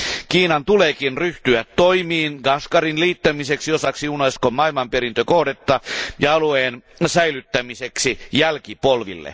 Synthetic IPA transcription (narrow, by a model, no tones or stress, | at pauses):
kiːnɑnt̪ulekinryht̪yæt̪toimiːnɡ̥ɑskɑrinliːt̪ːæmiseksiosɑksiunɑiskomɑilmɑmpeɾint̪økohdet̪ːɑjɑɑlueːnsæilyt̪ːæmiseksijælkipolʋḭlːḛ